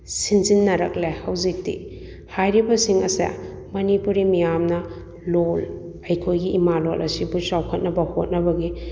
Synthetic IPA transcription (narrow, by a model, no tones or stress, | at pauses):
sinzinːɐɾɐklehɐwzik̚tḭ | hajɾibɐsiŋɐsɐ̰ | mɐnipuɾimijamnɐ | lol | ɐjkʰojɡiːmalolʔɐsibusawkʰɐt̚nɐbɐhot̚nɐbɐɡi